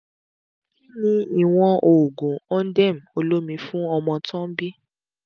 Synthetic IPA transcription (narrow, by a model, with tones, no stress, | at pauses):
i˦nĩ˧i˦˨w̃ɔ̃˧ʔo˨ɡũ˨ɔ̃˦n̩˦dɛ˦˨m̩˨o˧lo˦mĩ˧fũ˦ɔ˧mɔ̃˧tɔ̃˦bi˦